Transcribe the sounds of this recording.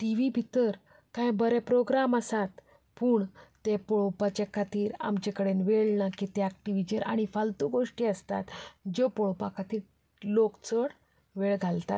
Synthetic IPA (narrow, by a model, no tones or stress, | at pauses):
ʈiʋibʱit̪əɾ | kãjbəɾɛpɾoɡɾaməsat̪ | puːɳt̪epɔɭpat͡ɕekʰat̪iːɾa̰mt͡ɕekəɽenʋeɭnakit̪eak̚ʈiʋid͡ʑeɾʔa̰ɽ̃ifalt̪uɡoʂʈiːəst̪at̪d͡ʑopɔɭpakʰat̪iːɾ | lokt͡səɽ | ʋeɭɡʱalt̪a̰t̪